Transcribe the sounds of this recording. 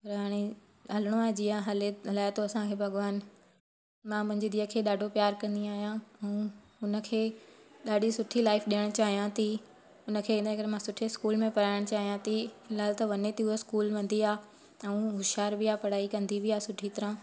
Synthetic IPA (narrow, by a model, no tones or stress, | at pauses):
pɐɾɦaːɽ̃e | ɦɐləɽ̃oad͡ʑiːãɦɐleɐlaːɪt̪ʰoɐsãkʰebʱɐɡʋaːn | mãmɐ̃ɦɪ̃ɲd͡ʑɪd̪iːəkʰeːɗaːɖʱopjaːɾkɐ̃nd̪iaːɦijãɛ̃ũ | ʊnə̆kʰeːɗaːɖʱisʊʈʰilaːɪfɗiəɽ̃t͡ɕaːɦijãt̪ʰi | ʊnəkʰẽːnkɐɾemãsʊʈʰeskuːlmẽpɐɾaːɪɽ̃t͡ɕaːɦijãt̪ʰiɪlaːlt̪ɐʋɐnet̪iʊoskuːlʋɐ̃nd̪iaː | ɛ̃ũɦʊʃaːɾbɪaːpɐɽ̤aːikɐ̃nd̪iʋɪaːsʊʈʰit̪ɐɾã